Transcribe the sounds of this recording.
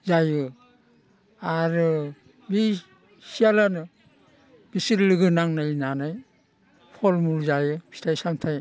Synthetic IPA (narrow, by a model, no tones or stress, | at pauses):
zajɯ | aɾɯ | bi | sialanɯ | b̥isiɾlɯɡɯnaŋnajnanaj | pʰɔlmulzajɯbi̥tʰajsamtʰaj